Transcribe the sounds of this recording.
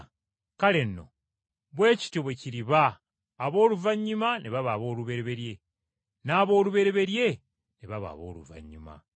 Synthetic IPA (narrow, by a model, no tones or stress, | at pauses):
kale̞nːo̞̰ | βwe̞ːci̥toβweciɾiβaː | βo̞ːluvaɲːumaneβaβaːβo̞ːluβe̞ɾeβe̞ɾje̞ | naːβo̞ːluβe̞ɾe̞βe̞ɾje̞ | neβaβa̰ːβo̰ːlṵva̰ɲːuma̰